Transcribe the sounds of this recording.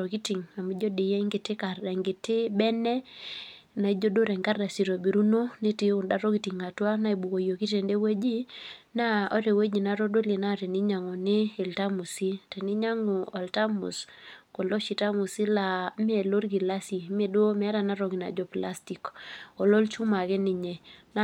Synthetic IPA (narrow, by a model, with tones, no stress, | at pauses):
ɔ˨ki˦ti˨ŋa˨mi˦d͡ʒɔ˦de˨jɛ˦ŋɡe˨te˦ka˨rɛ˨ŋɡe˨te˦bɛ˦nɛ˦ | na˨i˦d͡ʒo˦do˦ɾɛ˨ŋka˦rːa˨si˨ɾo˨bi˨ɾu˦no˦ne˦ti˨o˨nda˨ɾɔ˦ki˨ti˨ŋa˨twa˦na˦i˨bu˨ko˨jo˨ki˦te˨nde˦we˦d͡ʒi˦na˦ɔ˦ɾe˨we˦d͡ʒi˨na˨ɾo˦do˦le˨na˦ɾɛ˨ni˦ɲa˨ŋo˨ne˦ɛ˨lta˦mu˨si˦te˨ni˦ɲa˦ŋɔ˨a˨lta˦mṵ˨s | ko˨lɔ˦ʃi˨ta˦mu˨si˦la˨me˨lo˦ɾɡi˨la˦si˨me˨do˦mɛ˦ɾa˨na˦ɾɔ˨ɡi˨na̰˨d͡ʒɔ˨pla˦sti˨kɔ˨lɔ˦lt͡ʃu˦ma˨kɛ˦nɪ˨ɲe˨na˦